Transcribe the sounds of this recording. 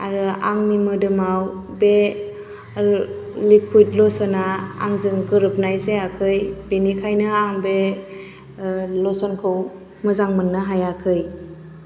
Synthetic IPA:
aɾɯaŋmimɯdɯmaw | be | likʰujt̚lɔsɯnaa̰ŋzɯŋkɯɾɯp̚najseakʰɯjbenikʰajnɯaŋbe | lɔsɔnkʰɯw | mɯzaŋmɯnːɯɦajakʰɯj

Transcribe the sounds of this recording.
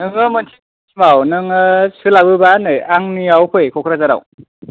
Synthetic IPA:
nɯŋɯmɯntʰi | imawnɯŋɯsɯlabɯbanɯjaŋniawkʰɯjkʰɔkʰɾazaɾa̰w

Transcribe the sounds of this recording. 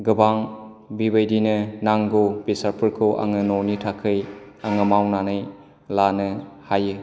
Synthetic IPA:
ɡɯbaŋ | bibajdinɯnaŋɡobisaɾpʰɯɾkʰɯwʔa̰ŋɯnonitʰakʰɯj | aŋɯmawnanɯj | lanɯhajɯ

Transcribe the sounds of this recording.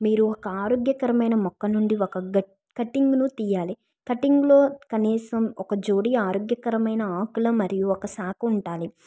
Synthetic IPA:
miːɾuɔkɐaːɾoːɡjɐkɐɾɐmɐjnɐmɔkːɐnuɳɖiɔkɐɡɐ | kɐʈːiŋɡnut̪iːjaːli | kɐʈiŋɡlo̞ːkɐniːsɐmɔkɐd͡ʒoːɽiaːɾoːɡjɐkɐɾɐmɐjnɐaːkulɐmɐɾijuɔkɐsaːkɐuɳʈaːli

